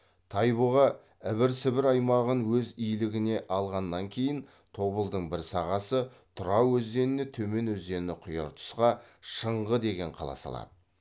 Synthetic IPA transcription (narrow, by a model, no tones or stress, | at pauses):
t̪ʰɑjboʁɑ | ɪβɪɾsɪbɪɾɑjmɑʁənwɵzijlɪɡʲɪne̞ʔɑlˠʁɑnːɑŋkʲʰe̞jɪn | t̪ʰo̞bəlˠd̪əɴbɪɾsɑʁɑsə | t̪ʰʊɾɑwɵzd̪e̞nɪnet̪ʰɵme̞nɵzd̪e̞nɪqʰʊjɑ̰ɾt̪ʰʊ̥sqɑʃəɴʁəd̪e̞ɡʲe̞ɴqʰɑ̰lˠɑ̰sɑ̰lˠɑ̰d̪ə